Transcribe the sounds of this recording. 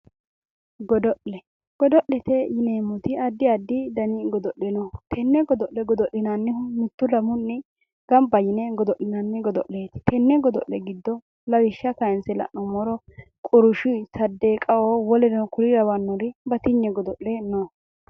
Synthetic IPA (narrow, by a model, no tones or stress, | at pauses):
ɡɔd̪ɔʔːɛ | ɡ̥ɔd̪ɔʔːɛt̪ɛjɪneːmːʊt̪ɪɐd̪ːɪɐd̪ːɪd̪ɐnɪɡɔd̪ɔʔːɛnɔt̪ʰɛnːɛɡɔd̪ɔʔlɛɡɔd̪ɔʔːɪnanːɪhmʊt̪ːʊlɐmʊnːɪ | ɡ̥ɐmbɐjɪnɛɡɔd̪ɔʔːɪnanːɪɡɔd̪ɔʔːeːt̪ɪ̥t̪ʰɛnːɛɡɔd̪ɔ̰ʔːɛɡɪd̪ːɔ | lɐwɪʃːɐkɐjɛnsɛlɐ̰ʔnɔmɔɾɔ | kʼʊɾʊʃɪsɐd̪ːekʼɐwowɔlɛnɛkʊlɪɾɐwɐnːɔɾɪbɐt̪ɪɲːɛɡɔd̪ɔʔlɛnɔ